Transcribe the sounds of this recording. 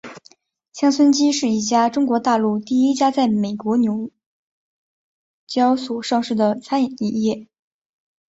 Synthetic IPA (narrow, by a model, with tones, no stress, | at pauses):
ɕjɑ˥ŋswə˥nt͡ɕi˥ʂɻ̩˥˩i˥˩t͡ɕja˥ʈ͡ʂʊ˥ŋkwɔ˧˥t̪a˥˧lu˥˧t̪i˥˩i˥t͡ɕja˥t͡sa˥˩ɪme˨˩ɪkwɔ˧˥njo˧˥ʊ | t͡ɕjɑ˥ʊswɔ˨˩ʂɑ˥˧ŋʂɻ̩˥˩d̪ə˩t͡sʰa˥n˨˩ni˥˧˩jɛ˥˩